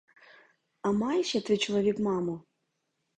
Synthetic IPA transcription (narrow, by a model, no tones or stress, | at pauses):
ɐmɑjʃɛt̪ɪt͡ʃɔlˠɔʋʲikmɑmʊ